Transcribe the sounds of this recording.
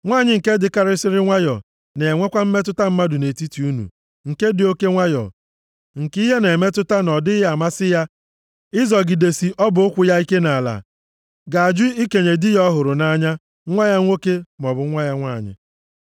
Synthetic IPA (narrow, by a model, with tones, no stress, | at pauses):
ŋʷaː˦˨ɲɪ˦ŋ̩˨ke˦dɪ˨ka˦ɾɪ˦sɪ˦ɾɪ˦ŋʷa˦jɔ̰˨ | ne˨ŋʷe˦kʷa˦m̩˦me˦tʊ˦ta˦m̩˦ma˦dʊ˨ne˨ti˦ti˨u˦nṵ˨ | ŋ̩˨ke˦dɪ˨o˦ke˦ŋʷa˦jɔ̰˨ | ŋ̩˨ki˦ɦe˦ne˨me˦tʊ˦ta˦nɔ˨dɪ˦ja˨ma˦sɪ˦ja˦ | ɪ˦zɔ˨ɡɪ˨de˨si˨ʔɔ˦bʊ˨˦ʊ˦kʷʊ˨ja˦i˦ke˦na˨la̰˨ | ɡa˨a˨d͡ʒʊ˦i˦ke˨ɲe˨dɪ˦jɔ˦ɦʊ˨ɾʊ˨na˦ɲa˦ | ŋʷa˦ɲa˦ŋʷo˦ke˦m˨ɔ˨bʊ˨˦ŋʷa˦ja˦ŋʷaː˦˨ɲɪ̰˨